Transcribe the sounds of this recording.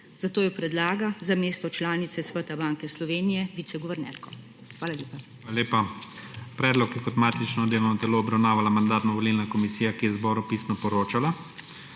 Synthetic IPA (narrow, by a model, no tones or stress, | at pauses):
zat̪oːjɔpɾɛd̪laːɡazameːst̪ɔt͡ʃlaːnit̪sɛsʋət̪abaːŋkɛslɔʋeːnijɛʋiːt̪sɛɡɔʋɛɾnɛ̰ɾkɔ | xʋaːlalʲjeːpa | alaleːpa | pɾɛːd̪lɔkjɛkɔt̪maːt̪it͡ʃnɔd̪eːlɔwnɔt̪ɛloːbɾawnaːʋalamand̪aːt̪nɔʋɔlilnakɔmisiːjakijɛzbɔːɾupiːsnɔpɔɾoːt͡ʃala